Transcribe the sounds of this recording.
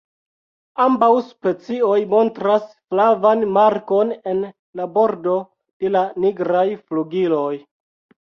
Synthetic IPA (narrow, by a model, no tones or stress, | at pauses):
ambawspe̞t͡sio̞jmo̞ntɾasflavanmaɾko̞ne̞n | labo̞ɾdo̞ | d̥e̞laniɡɾajfluɡilo̞j